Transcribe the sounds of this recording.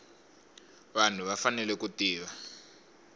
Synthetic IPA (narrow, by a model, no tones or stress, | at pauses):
βan̤uβafanɛlɛkutiːβa